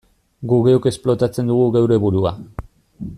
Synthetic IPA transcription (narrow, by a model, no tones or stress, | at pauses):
ɡuɣeoke̞splo̞t̪at͡se̞nd̪uɣ̞uɣewɾe̞βuɾua